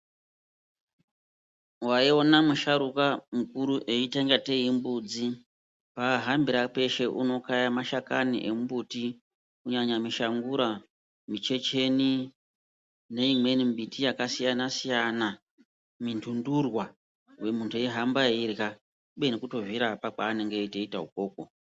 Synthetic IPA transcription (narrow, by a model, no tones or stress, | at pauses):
waio̞namuʃaɾukamukuɾuʔe̞iteŋɡate̞imbud͡zi | paɦambiɾape̞ʃe̞ʔuno̞kajamaʃakanḭʔemubuti | kuɲaɲamiʃaŋɡuɾa | mit͡ʃe̞t͡ʃe̞ni | ne̞imwe̞nimbitʰijakasijanasijana | mintʰundurwa | we̞muntʰueiɦambaira | uɓe̞nekuto̞viɾapak͡paːne̞ŋɡeiteita̰ɦṵko̞ːk̚o